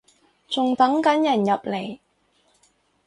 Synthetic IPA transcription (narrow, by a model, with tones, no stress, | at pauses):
t͡sʊ˨ŋt̪ɐ˨˥ŋkɐ˨˥njɐ˨˩njɐ˨p̚le˨˩j